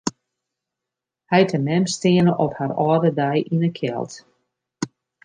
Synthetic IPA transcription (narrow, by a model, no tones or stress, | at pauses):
hɛjtʰənɛmstɪənəʔɔpharɔːdədɛjʔinəkʰjɛ̰lˠt